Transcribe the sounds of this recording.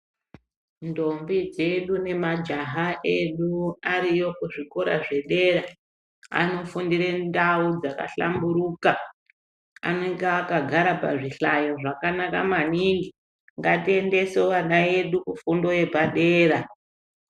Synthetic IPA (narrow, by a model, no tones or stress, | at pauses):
ndo̞mbid͡ze̞ɗune̞mad͡ʒaɦaʔe̞ɗuaɾijo̞kuʐiko̞ɾa̰ʐe̞ɗe̞ːra | a̰no̞fundiɾendaud͡zaka̰ɬa̰mbuɾuːka | a̰ne̞ŋɡeakaɡʱaɾapa̰ʐiɬajo̞ʐakanaka̰maniŋɡi | ŋɡatie̞nde̞sowanae̞ɗukufundo̞je̞paɗe̞ːra